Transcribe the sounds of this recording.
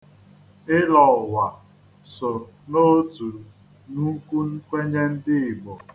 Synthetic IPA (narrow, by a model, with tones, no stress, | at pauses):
ɪ˦lɔ˨wa˨ | so˨ | no˦tu˨ | nu˦ku˦n̩˦kʷe˦ɲe˦n̩˦dɪ˦ɪ˨ɡ͡bo˨